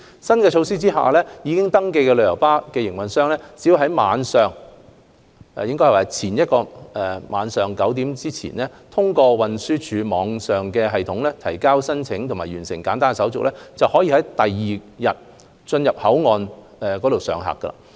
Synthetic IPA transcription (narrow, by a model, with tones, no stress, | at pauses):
sɐ˥nkɛː˧t͡ʃʰo˧wsiː˥t͡siː˥ha̰ː˨lɛː˥jiː˨˧kɪ˥ŋt̪ɐ˥ŋke˧jkɛ˧lɵ˧jɐ˨˩wpaː˥kɛː˧jɪ˨˩ŋwɐ˨nsœː˥˧ŋlɛː˥t͡siː˨˥wɦɐ˨˥jma̰ː˨˧nsœː˨˩ŋ | ɛ˨jɪ˥ŋkɔ˥hɐ˨˩waː˨˩t͡sʰiː˨˩njɐ˥t̚kɔː˧ɛ˨maː˨˧nsœː˨˩ŋkɐ˨˥wt̪iː˨˥mt͡siː˥t͡sʰḭː˨˩nlɛː˥t̪ʰʊ˥ŋkɔː˧wɐ˨nsyː˥t͡ʃʰyː˨˧mɔː˨˧˥ŋsœː˨˩ŋkɛː˧ɦɐ˨jt̪ʰʊ˨˥ŋlɛː˥t̪ʰɐ˨˩jkaː˥wsɐ˥nt͡sʰɪ˨˥ŋt̪ʰʊ˨˩ŋmaː˨˩jɥyː˨˩nsɪ̰˨˩ŋkaː˨˥nt̪aː˥ŋɛ˨sɐ˨˥wt͡sʊ˨k̚lɛː˥t͡sɐ˨whɔː˨˥jiː˨˧hɐ˨˥jt̪ɐ˨jːiː˨jɐ˨t̚ | t͡ʃɵ˧njɐ˨p̚hɐ˨˥wŋɔː˨n | ɛː˨kɔː˨˥ɾo˨wsœ̰ː˨˧ŋɦa̰ː˨˩kːɐ̰˧a̰ː˧